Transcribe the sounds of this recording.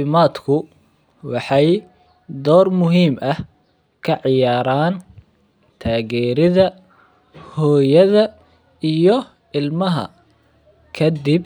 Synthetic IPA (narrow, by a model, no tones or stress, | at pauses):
ɪmaːd̪kʰʊ | wɑħɑj | d̪ɔːrmʊɦiːmʔɐh | kʰɐʕɪjaːɾaːn | t̪ʰaːɣɛːɾɪðɐ | hɔːjɐðɐ | ijɔ | ɪlmɐɦɐ̰ | kʰɐd̪ib̚